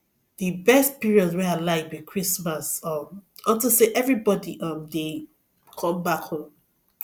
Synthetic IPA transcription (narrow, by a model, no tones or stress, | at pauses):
ðibɛst̚piɹiɔdwialaɪvwikʰɹismasʌmɔ̃ntoseʔɛvɹibɔdiʔʌmde | kʰɔ̃mbakhõn